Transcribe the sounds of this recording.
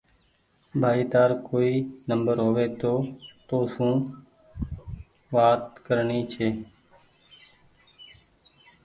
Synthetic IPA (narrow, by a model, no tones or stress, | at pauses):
bʱaːiːt̪aːɾkoːiːnəmbəɾɦoːʋeːt̪oːt̪oːsũː | ʋaːt̪kəɾɳiːt͡ʃʰeː